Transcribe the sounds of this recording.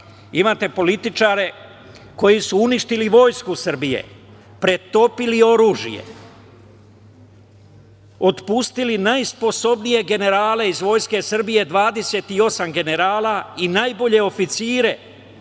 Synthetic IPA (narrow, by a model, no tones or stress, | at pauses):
imaːt̪e̞po̞lit̪it͡ʃaːɾe̞ | ko̞jisuuniʃt̪iliʋo̞jskusr̩bijḛ | pɾe̞t̪o̞pilio̞ɾuːʒḭjḛ | o̞t̪pust̪ilinajspo̞so̞bnije̞ɡe̞ne̞ɾaːle̞izʋo̞jske̞sr̩bije̞d̪ʋaːd̪e̞se̞ːt̪io̞samɡe̞ne̞ɾaːlainajbo̞ʎe̞o̞fit̪siːɾe̞